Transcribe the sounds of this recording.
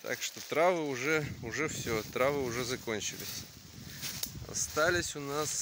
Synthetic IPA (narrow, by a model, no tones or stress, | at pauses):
t̪a̰kʂt̪ot̪ɾavɨʊʐɛʊʐɛfsʲot̪ɾavɨʊʐɛzɐkonʲt͡ɕɪlʲɪsʲ | ɐ̰st̪alʲɪsʲʊnas